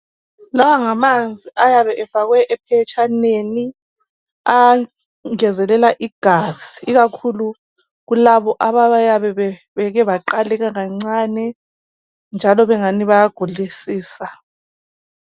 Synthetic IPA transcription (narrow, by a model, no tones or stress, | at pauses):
lawaŋamand͡zʱiʔajaβɛʔɛfaɣwɛʔɛpʰɛt͡ʃʰʼaneni | a | ŋɛzɛlɛlaʔiɡ̥ʱazi̥ːɣakʰulu | ɣulaβɔʔaβaajaβɛβɛ | βɛɣɛβaǃalɛɣaŋaŋ͡ǀaːnɛ | nd͡ʒʱalɔβɛŋaniβajaɡ̥ʱulisiːsa